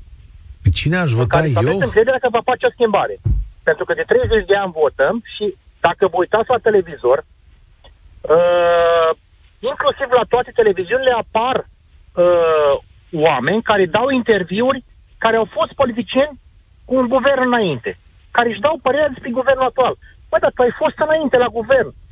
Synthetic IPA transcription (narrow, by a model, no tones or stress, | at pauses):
pet͡ʃineaʃvot̪kaesaeesɨŋkɾed̪eɾakəvafat͡ʃeo̞skʲimbaɾe̞pe̞nt̪ɾukəd̪e̞t̪ɾe̞jze̞t͡ʃʲd̪e̞anʲvo̞t̪əmʃi | d̪̥akəvəujt̪at̪sʲlat̪e̞le̞vizo̞r | ə | iŋklusivlat̪oat̪e̞t̪e̞le̞viziunile̞apar | ə | wame̞nʲkaɾe̞d̪awint̪e̞rviurʲ | kaɾeawfo̞st̪̚po̞lit̪̬it͡ʃie̞nʲ | kuːŋɡuve̞rnɨnaint̪e̞ | kaɾeɨʃd̪awpəɾe̞ɾʲad̪e̞spɾeɡuve̞rnlak̚t̪ual | b̥əd̪at̪uajfo̞st̪ɨnaint̪e̞laɡuve̞rn